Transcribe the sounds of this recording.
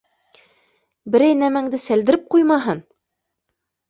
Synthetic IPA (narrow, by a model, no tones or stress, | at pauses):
bɘ̆ɾæjnæmæŋd̪ɘsæld̪ɘ̆ɾɘp̚qujmɑɦɤn